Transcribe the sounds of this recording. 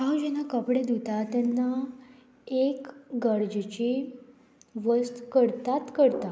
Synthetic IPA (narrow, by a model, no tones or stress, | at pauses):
ɦawd͡ʑɛnakəpɽed̪ut̪at̪ɛnːa | ekɡəɾd͡zt͡ɕi | ʋəst̪kəɾt̪at̪kəɾt̪a